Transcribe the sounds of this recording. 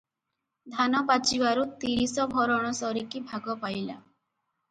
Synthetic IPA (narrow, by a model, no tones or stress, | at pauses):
d̪ʱanɔpat͡ʃibaɾut̪iɾisɔbʱɔɾɔɽ̃ɔsɔɾikibʱaɡɔpajla̰